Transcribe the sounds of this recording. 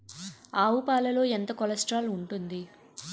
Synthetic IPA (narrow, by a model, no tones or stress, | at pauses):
aːʋupaːlɐlo̞ːent̪ɐkɔlɐsʈɾaːluɳʈund̪i